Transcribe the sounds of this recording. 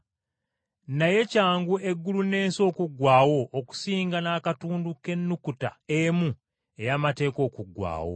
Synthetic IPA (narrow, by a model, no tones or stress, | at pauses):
naje̞caːŋɡue̞ɡːulune̞ːnso̞ːkuɡwaːwo̞ʔːku̥siːŋɡanaːkatuːnduke̞nːukuta̰emu | e̞jamate̞ːko̞ːkuɡːwa̰ːwo̰